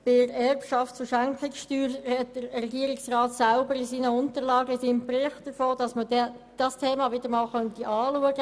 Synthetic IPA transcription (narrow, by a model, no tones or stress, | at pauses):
b̥ɪɾɛrpʃɑftt͡suʃæŋkʰɪksʃtyːɾhɛt̚d̥əɾɾɛɡiəɾɪksrɑːt̪sælbəɾɪsiːnəʊntəɾlɑːɡəɪsiːmpɾɪχt̚d̥əɾfoːd̥ɑsmədɛ | d̥ɑstʰeːmɑʋɪd̥əɾmɑːlχœntiʔɑːluəɡə